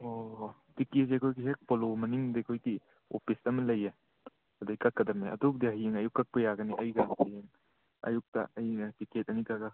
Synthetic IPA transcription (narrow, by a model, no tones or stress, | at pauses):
o | tiket̚ekʰojɡiɦek̚polomɐniŋdekʰojɡi | o̰pʰisɐmɐlɐje | ɐdakɐkːɐdɐmeɐ̰duk̚diaɦijeŋɐjukːɐk̚pɐjaɡɐniʔɐjɡapʰieŋ | ɐ̰juk̚ta̰ɐjkiket̚ɐnikaɡɐ